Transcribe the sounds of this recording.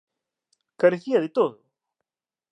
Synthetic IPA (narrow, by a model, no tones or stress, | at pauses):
kaɾeθiaðet̪oðo